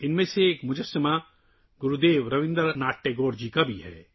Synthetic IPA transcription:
ɪnmẽseːkmʊd͡ʒəsəma | ɡʊɾud̪eːʋɾɐʋɪ̃nd̪əɾnaːʈːeɡoːɾd͡ʒikabʱiɦɛ̰ː

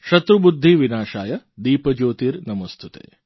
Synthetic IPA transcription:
ʃɐt̪ɾubud̪ʱːiʋinaːʃaːjɐd̪iːpɐd͡ʒoːt̪iːɾnɐmɐst̪ʰut̪ḛː

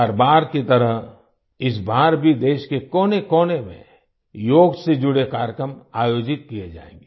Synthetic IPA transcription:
ɐɾbaːɾket̪ɐɾəɦ | ɪs̬baːɾbʱid̪eːʃkekɔːnekoːnemḛ̃ | joːɡsed͡ʒʊɽekaːɾjkɾəmaːjoːd͡ʒɪt̪̚kijed͡ʒa̰ːḛ̃ːŋɡe

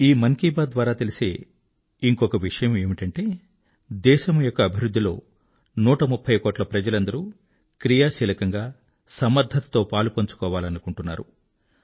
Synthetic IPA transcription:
iːmɐŋkiːbaːd̪d̪ʋaːɾaːt̪elise̞̰ː | iŋkɔkɐʋiʂɐjɐme̞ːmiʈɐɳʈe̞ː | d̪ɛːʃɐmujɔkːɐːbʱiɾud̪ːilo̞̰ː | nuːʈɐmupʰːɐjkoːʈlɐpɾɐd͡ʒɐlɐnd̪ɐɾu | kɾijaːʃiːlɐkɐŋɡaː | sɐmɐɾd̪ʱɐt̪ɐ̥t̪o̞ːpaːlupɐɲt͡ʃu̥kɔːʋaːlɐnukuɳʈunːa̰ːɾu

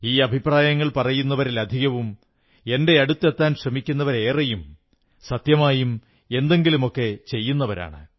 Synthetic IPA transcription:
iːɐbʱipraːjɐŋːɐɭpɐrɐjunːɐʋɐɾilɐd̪ʱiɣɐʋum | e̞nde̞ɐɽut̪ːet̪ːaːnɕrɐmikʲːun̪ːɐʋɐɾe̞ːrɐjum | sɐt̪jɐmaːjum | e̞nd̪e̞ŋɡilumo̞kːe̞t͡ɕe̞jːunːɐʋɐɾa̰ːɳɨ

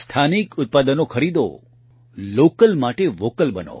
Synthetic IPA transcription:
st̪ʰanikʊt̪̚pad̪ənokʰəɾid̪o̰ | lokəlmaʈeʋokəlbəno̰

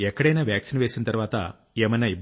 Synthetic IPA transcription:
ɛkːɐɽɐjnaːʋjaːksinʋe̞ːsint̪ɐɾuʋaːt̪ɐ̰ | eːmɐjnaib

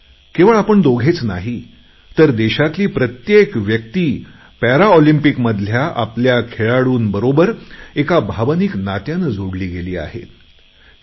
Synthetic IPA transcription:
keʋəɭapəɳd̪oɡʱet͡snaɦi | t̪əɾd̪eɕat̪liːpɾət̪jekʋjək̚t̪iː | pæɾaolimpikməd̪ʱljaʔa̰pljakʰeɭaɽuːnbəɾobəɾekabʱaʋəniːknat̪janəd͡zʱoɽliːɡeliːa̰ɦḛt̪

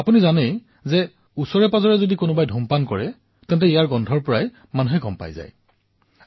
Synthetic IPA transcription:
apunizanej | zɛ | usɔɹɛpazɔɹɛzodikonʊbajdʱumpankɔ̰ɹɛ | tɛ̃ntɛijaɹɡɔndʱɔɹpɔɹaj | manuɦɛkɔmpa̰jza̰j

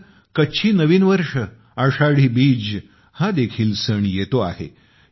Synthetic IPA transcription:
kəɕʰiːnəʋiːnʋəɾʂə | aʂaɽ̤iːbiːd͡ʑ | hãd̪ekʰiːlsəɳjet̪oa̰ɦḛ

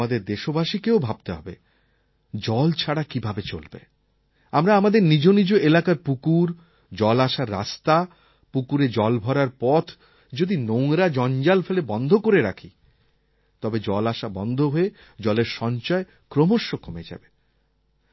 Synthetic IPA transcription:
ad̪eɾd̪eʃobaʃikeobʱab̚t̪eɦɔbḛ | d͡ʑɔlt͡ɕʰaɽakibʱabet͡ɕo̰lbḛ | amɾaamad̪eɾnid͡ʑonid͡ʑoelakaɾpukuɾ | d͡ʑɔlaʃaɾːa̰st̪a | pukuɾed͡ʑɔlbʱɔɾaɾpɔt̪ʰ | d͡ʑod̪inoŋɾad͡ʑɔnd͡ʑalfelebɔnd̪ʱokoɾeɾa̰kʰi | t̪ɔbed͡ʑɔlaʃabɔnd̪ʱoɦoe | d͡ʑɔleɾʃɔnt͡ɕɔe | kɾomoʃːokomed͡ʑa̰be

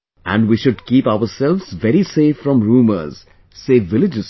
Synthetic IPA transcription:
æ̰̃ɳɖʋiːʃʊɖkiːpaʊəɾsɛlʋz̥ʋɛɾiseːfɾɔ̃mɾuːmə̰ɾz̥ | seːʋɪlɪd͡ʒɪz̥

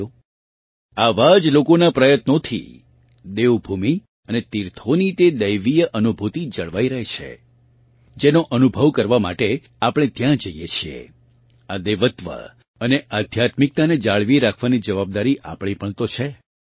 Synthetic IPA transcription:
o | aʋad͡ʒlokonapɾəjət̪not̪ʰḭ | d̪eʋbʱumi | ənet̪iɾt̪ʰonit̪ed̪əjʋijəʔənubʱut̪id͡ʒəɭʋaiɾəɦet͡ʃʰḛ | d͡ʒenoʔənubʱəʋkəɾʋama̰ʈe | apɽ̃et̪jãd͡ʒəijet͡ʃʰiḛ | ad̪eʋət̪ʋə̰ | əneʔad̪ʱjat̪mik̚t̪aned͡ʒaɭʋiɾakʰʋanid͡ʒəʋab̚d̪aɾiʔa̰pɽ̃ipəɳt̪ot͡ʃʰe

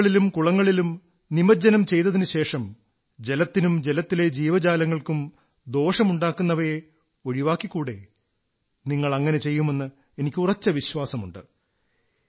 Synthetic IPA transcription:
ɭilumkuɭɐŋːɐɭilum | nimɐd͡ʑɐnɐmt͡ɕe̞jt̪ːɐðinɨɕe̞ːʂɐm | d͡ʑe̞lɐt̪ːinumd͡ʑe̞lɐt̪ːile̞d͡ʑiːʋɐd͡ʑaːlɐŋːɐɭkum | d̪o̞ːʂɐmuɳɖaːkːunːɐʋɐje | oɻiʋaːkːikːuːɽe̞ | niŋːɐɭɐŋːɐne̞t͡ɕe̞jːume̞nːɨ | e̞nikʲːurɐt͡ɕːɐʋiɕʋaːsɐmuɳɖɨ̰

